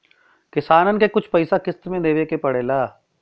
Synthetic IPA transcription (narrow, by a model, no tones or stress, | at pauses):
kɪsaːnənkekʊt͡ʃʰpɐɪsakɪst̪mẽd̪eːʋekepɐɽeːlaː